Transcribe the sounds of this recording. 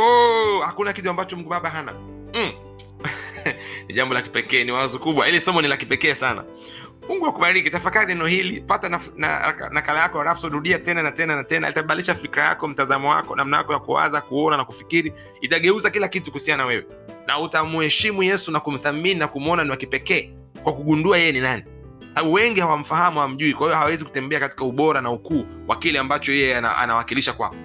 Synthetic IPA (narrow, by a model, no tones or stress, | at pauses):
ɔhakunakituambat͡ʃɔmuŋɡuɓaɓaɦana̰ | m̩ | niʄambɔlaki̥pɛkɛːniwaazɔkuɓwailisɔmɔnilakipɛkɛːsana̰ | muŋɡuwakuɓaɾikitafakaɾinɛnɔhilipatana | na̰a̰a̰nakalajakɔaɾafsɔɾuɗiatɛnanatɛnanatɛna̰litaɓaliʃafikɾaja̰kɔm̩tazamɔwa̰kɔ̰namnaja̰kɔjakṵwa̰zakuɔnanakufikiɾi | itaɠɛuzakilakitu̥kuhusianawɛwɛ̰ | nʔautamuhɛʃimujɛsunakum̩θamininakumɔnaniwakipɛkɛː | kwakuɠunduajɛjɛninani | kwsaaɓuwɛŋɡihawam̩fahamuham̩ʄuikwahijɔhawawɛziku̥tɛmbɛakati̥kauɓɔɾanaukuːwʔa̰kilɛambat͡ʃɔjɛjɛaa̰a̰nawakiliʃakwa̰kɔ